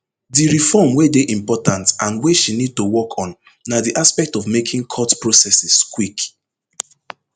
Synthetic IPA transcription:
diɹifɔmwedeʔĩmpɔtãntãnweʃinid̚tuwɔkʰɔ̃nː | adiʔaspɛk̚tɔvmekʰĩŋkʰɔtpɹosɛsiskwik

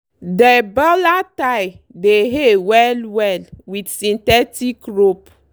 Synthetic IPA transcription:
debɔlataj | deɦewɛlwɛlwidsĩntɛtikɾop

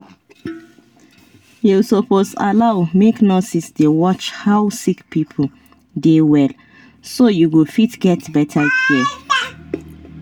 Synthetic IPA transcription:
jusɔposa̰laʊmeknɔsisdewɔt͡ʃhaʊsikpipʰo | dewɛl | sojuɡufitɡɛtbɛtʰaki

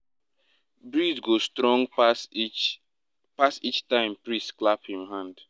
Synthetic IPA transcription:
bɹidɡostɾɔ̃ŋɡ | pasit͡ʃtãɪ̃mpɹistklaphĩmɦãnd

